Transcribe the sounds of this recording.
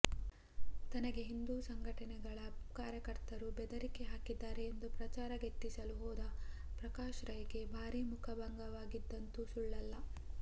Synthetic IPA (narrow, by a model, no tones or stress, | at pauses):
t̪ɐnɐɡe̞ɦind̪uːsɐŋɡʱɐʈɐnɛɡɐɭɐkaːɾjɐkɐɾt̪ɐɾubɛd̪ɐɾikeɦaːkid̪ːaːɾeːnd̪upɾɐt͡ʃaːɾɐɡet̪ːisɐluɦɔːd̪ɐ | pɾɐkaːʃɾɐjɐɡe̞bʱaːɾimukʰɐbɐŋɡɐʋaːɡid̪ːɐnt̪usuɭːɐlːɐ